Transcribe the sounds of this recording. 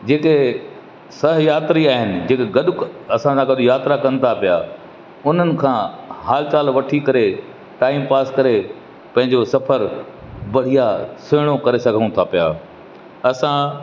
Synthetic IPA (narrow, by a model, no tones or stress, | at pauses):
d͡ʑeːke | sɐɦjaːt̪ɾiaːɦɪnɪ̆d͡ʑeːkeɡɐɗʊkɐsãsãɡɐɗʊjaːt̪ɾakɐnɪ̆t̪ʰapijaː | ʊn̤ənɪ̆kʰãːɦaːlɪt͡ɕaːlʋɐʈʰikɐɾe | ʈaːiːmpaːskɐɾe | pɐ̃ɦɪ̃ɲd͡ʑosɐpʰəɾ | bɐɽ̤ijasɪːɽ̃okɐɾesɐɡʱəɽ̃ũt̪ʰapijaː | ɐsã